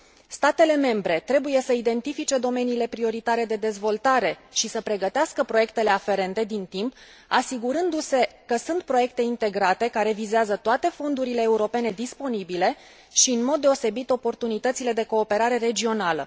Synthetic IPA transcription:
st̪at̪e̞le̞me̞mbɾe̞t̪ɾe̞buje̞səid̪e̞nt̪ifit͡ʃe̞d̪o̞me̞niːle̞pɾio̞ɾit̪aɾe̞d̪e̞d̪e̞zvo̞lt̪aɾe̞ʃisəpɾe̞ɡət̪easkəpɾo̞je̞kt̪e̞le̞afe̞ɾe̞nt̪e̞d̪int̪imp | asiɡuɾɨnd̪use̞kəsunt̪̚pɾo̞je̞k̚t̪e̞int̪e̞ɡɾat̪e̞kaɾe̞vizeazət̪oat̪e̞fond̪uɾile̞ːuɾo̞pe̞ne̞d̪ispo̞nibile̞ | ʃiɨnmo̞d̪̚ːe̞o̞se̞bit̪o̞po̞rt̪unit̪ət̪sile̞d̪e̞ko̞ːpe̞ɾaɾe̞ɾe̞d͡ʒio̞nalə̰

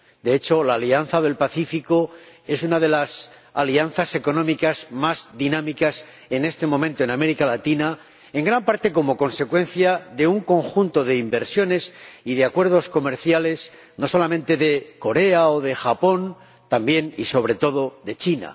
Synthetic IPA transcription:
d̪e̞et͡ʃo̞laːlianθaðe̞lpaθifiko̞e̞s̬unaðe̞las | alianθase̞ko̞nõmikazmazðinãmikas | e̞ne̞st̪e̞mõmẽnt̪o̞e̞name̞ɾikalat̪ina | eŋɡɾampaɾt̪e̞ko̞mo̞ko̞nse̞kwe̞n̟θjaðe̞uŋko̞ŋxunt̪o̞ðe̞imbe̞ɾsjo̞ne̞siðe̞akwe̞ɾð̞o̞sko̞me̞ɾθjale̞s | no̞so̞lamẽ̞nt̪e̞ðe̞ko̞ɾe̞aoðexapo̞n | t̪ambje̞nḭso̞β̞ɾe̞t̪o̞ðo̞ðe̞t͡ʃina̰

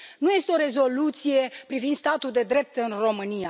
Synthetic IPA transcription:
nuje̞st̪eo̞ɾe̞zo̞lut̪sije̞pɾivind̪st̪at̪uld̪e̞d̪ɾe̞p̚t̪ɨnro̞mɨnija

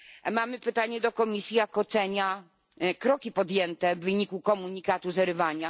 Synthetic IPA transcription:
mamɘpɘt̪aɲɛd̪ɔkɔmʲisʲjijakɔt̪sɛɲa | kɾɔkʲipɔd̪jɛnt̪ɛvːɘɲikukɔmuɲikat̪uzɛɾɘvaɲa

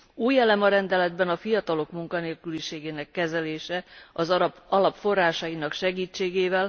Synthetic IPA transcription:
uːjɛlɛmɒɾɛnd̪ɛlɛd̪bɛnɒfijɒt̪ɒlo̞kmuŋkɒneːlkyliʃeːɡeːnɛkːɛzɛleːʃɛɒzɒlɒpfo̞rːaːʃɒjinɒkʃɛɡiːt͡ʃːeːɡeːvɛl

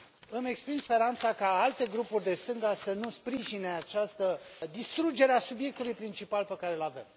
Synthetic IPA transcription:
ɨme̞kspɾinspe̞ɾant̪sakaalt̪e̞ɡɾupurʲd̪e̞st̪ɨŋɡasənuspɾiʒine̞at͡ʃast̪əd̪ist̪ɾud͡ʒe̞ɾeasubje̞k̚t̪ulujpɾint͡ʃipalpekaɾe̞lave̞̰m

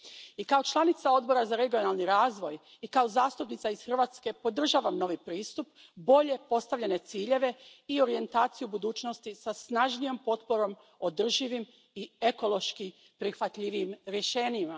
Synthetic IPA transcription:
ikaot͡ʃlˠanit̪sao̞d̪bo̞ɾazaɾe̞ɡio̞nalˠniɾaːzʋo̞j | ikao̞zaːst̪upnit̪saiz̥xrʋaːt̪ske̞po̞d̪r̩ʒaːʋamno̞ʋipɾiːst̪up | bo̞ʎe̞po̞st̪aʋʎʲene̞t̪siːʎe̞ʋe̞io̞ɾije̞nt̪aːt̪sijubud̪uːt͡ʃno̞st̪isasnaʒnijo̞mpo̞t̪po̞ɾo̞m | od̪r̩ʒiʋim | ieko̞lˠo̞ʃki | pɾixʋat̪ʎʲiʋiimɾjeʃe̞ːɲima

